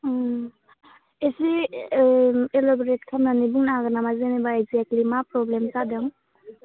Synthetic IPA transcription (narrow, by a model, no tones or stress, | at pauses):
esi | elɔbɾet̚kʰamnanibuŋnaɡanamazenibaːjziaklimapɾɔblemsadɯŋ